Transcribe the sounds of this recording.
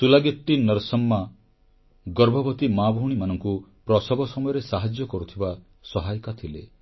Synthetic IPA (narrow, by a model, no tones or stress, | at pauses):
sulaɡit̪ːinɔɾsɔmːa | ɡɔɾbʱɔbɔt̪imabʱɔuɽ̃imanɔŋkupɾɔsɔbɔsɔmɔjɔɾesaɦad͡ʒjɔkɔɾut̪ʰiba | sɔɦajkat̪ʰilḛ